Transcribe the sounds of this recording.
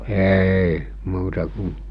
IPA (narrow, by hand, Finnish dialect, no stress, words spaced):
eˑi muːtɑ ku